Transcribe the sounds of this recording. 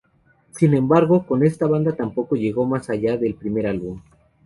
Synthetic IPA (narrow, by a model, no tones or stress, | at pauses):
sinẽ̞mbaɾɣo̞ko̞ne̞st̪aβand̪at̪ampo̞ko̞ʝe̞ɣo̞masaʝaðe̞lpɾime̞ɾalβum